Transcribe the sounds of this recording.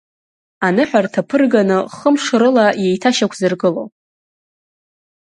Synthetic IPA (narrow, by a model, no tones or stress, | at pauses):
anɨħʷᶣartʰapʰɨrɡanɨχəmʂɾɨlaje̞jtʰaʃakʷʰzɨrɡɨlo̰w